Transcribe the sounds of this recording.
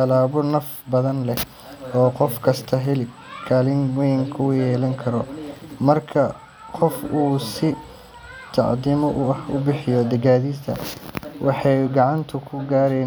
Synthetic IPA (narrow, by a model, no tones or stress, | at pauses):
ɐlaːβɔnɐf | bɐðɐnlɛ | ɔːqɔfkʰɐst̪ʰɐɦɛlɪ | kʰaːlɪŋmɔjɪŋkʰɐʊjjɛːlɐŋkʰɐɾɔmɐrkʰɐ | qɔfuːsɪ | t̪ʰɑ̰ʕd̪imɔʔʊɐhʊ̰bɪħɪjɔd̪ɐɡaːðit̪ʰɐ̰wʔɑħɑjɡɑʕɑnt̪ʰʊkʰʊɡaːɾɛ